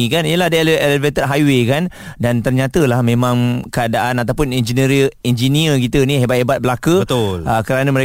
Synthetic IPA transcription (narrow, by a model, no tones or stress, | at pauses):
ikaniəlahadəlelevet̪ətɦajwekandant̪ərɲat̪əlahmẽmãŋkəadaʔanat̪awpʊnɛnd͡ʒinəɾiɛnd͡ʒiniəkit̪ənĩɦebat̪̚ɦebat̪̚bəlakəət̪ʊlʔəkəɾanə̃məɾe